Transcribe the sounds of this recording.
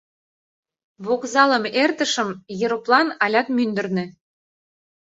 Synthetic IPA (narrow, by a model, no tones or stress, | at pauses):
βokzɑləmert̪ə̆ʃə̆mjɤɾoplɑnɑlʲɑt̪mynd̪ə̆rnø̆